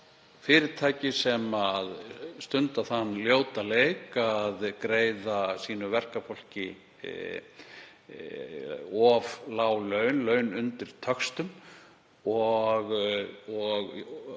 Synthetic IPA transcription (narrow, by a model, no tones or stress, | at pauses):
fɪːɾɪɾ̥t̪ʰaːjcɪsɛmaðst̪ʏnt̪aθanːljoːwt̪alejkaðkɾeːjðasiːnʏvɛr̥kafol̥cɪ̰ | ɔvlaːwlœːɥnlœːɥnʏnt̪ɪɾ̥t̪ʰœkst̪ʏm | ɔɣɔɣ